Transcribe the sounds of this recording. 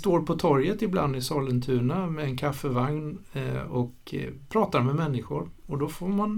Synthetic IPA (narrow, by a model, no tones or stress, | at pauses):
st̪oːɾpʰɔt̪ʰɔɾjət̪ɪbla̰nd̪ɪsɑːlənt̪ʰʉ̟ːɳamɛɛnkʰafːəvaŋnɔk | pʰɾɑːt̪aɾmɛmɛnːɪɧʊɾɔd̪ɔfoːɾman